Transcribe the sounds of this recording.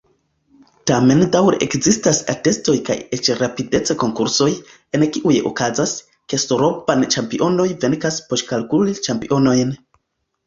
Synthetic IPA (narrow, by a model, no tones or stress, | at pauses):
tame̞ndawɾeʔḛkzistasa̰te̞sto̞jka̰jet͡ʃɾapide̞t͡se̞ko̞ŋkuɾso̞j | e̞nkiʔujḛʔo̰kazas | ke̞stoɾo̞pant͡ʃampiʔo̞no̞jve̞ŋkaspo̞ʃkalkulit͡ʃampiʔo̞no̞jn